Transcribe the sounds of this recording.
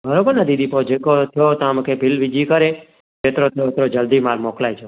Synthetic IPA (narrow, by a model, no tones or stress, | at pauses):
bʱəɾobəɾnad̪id̪ipod͡ʒekot̪ʰjot̪ãməkepilʋid͡ʒikəɾe | t͡ʃet̪ɾot̪ʰjot̪ɾod͡ʒəld̪imalmoklajd͡ʒo